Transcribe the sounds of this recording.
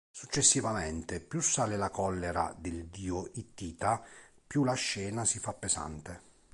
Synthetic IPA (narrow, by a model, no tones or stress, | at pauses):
sut͡ʃːesːivamɛnt̪ɪpjusːaːlɪlakɔlːeɾa̰d̪ɪld̪iːoit̪ːiːt̪a | pjulaʃːɛːnasifapːesa̰nt̪e